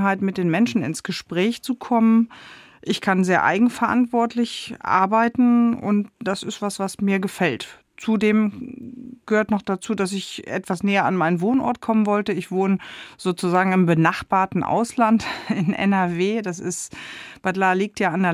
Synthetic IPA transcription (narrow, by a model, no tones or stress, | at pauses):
ɦaɪtmɪt̚d̥eːnmɛnʃn̩ɪ̰nsɡ̥əʃpʁ̥ɛːçt͡sukʰɔmən | ʔɪçkʰanzeːɐʔa̰ɪɡŋ̩fɛɐʔa̰ntv̥ɔɐtʰlɪçʔa̰ɐbaɪtn̩ʊ̰ntd̥asɪstv̥asv̥asmiːɐɡəfɛlt | t͡sudeːm | ɡ̥əhøːɐtnɔχd̥at͡suːdas̬ɪçʔɛ̰tv̥asnɛːɐanmaɪnənvoːnʔɔ̰ɐt̚kʰɔmənvɔltəɪçv̥oːnəz̥oːt͡suzaːɡŋ̩ɪmbənaχb̥aːɐtn̩ʔa̰ʊslantɪnʔɛ̰nɛɐveːdasɪstb̥atlaːliːk̚tjaːandeː